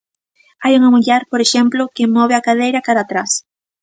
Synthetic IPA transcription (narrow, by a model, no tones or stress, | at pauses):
ajuŋɐmuʎɛɾpoɾeʃɛmplʊkɪmɔβ̞ɪakað̞ejɾɐkaðat̪ɾas